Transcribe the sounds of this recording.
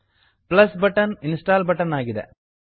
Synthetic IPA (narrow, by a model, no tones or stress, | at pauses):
plɐsbɐʈːɐnɪnsʈaːlbɐʈːɐnaːɣɪðɐ̰